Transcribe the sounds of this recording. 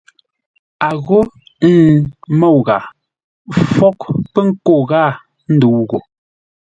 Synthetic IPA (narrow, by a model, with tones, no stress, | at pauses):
a˨ɣo˦ | mo˦˨wɣa˨ | fɔ˦kpɛ˦ŋ̩˦ko˦˨ɣa˦˨ | n̩˦du˨˦ɣo˨